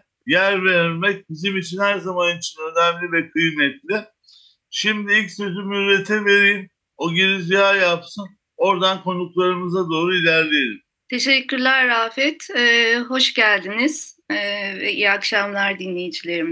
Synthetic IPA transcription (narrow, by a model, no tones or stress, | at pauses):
jæɾveɾɾmɛc̚bizimit͡ʃʰinhæɾzamanit͡ʃʰinø̞næmlʲivɛkʰɯjnɛt̪lʲɪ | ʃimd̪iilʲcsø̞zymyɾet̪ʰɛve̞ɾijim | oɟinizijaːjapsɯn | o̞ɾd̪ankʰo̞nuklˠaɾɯmɯzad̪o̞ːɾuilʲæɾlʲejeɾim | t̪ʰe̞ʃɛcːyɾlʲæɾːaːfɛt̪ɛːɦo̞ʃɟælʲd̪iniz̥ː | vɛ̰ʔḭjakʃamlˠaɾd̪inlʲejid͡ʒilʲe̞ɾim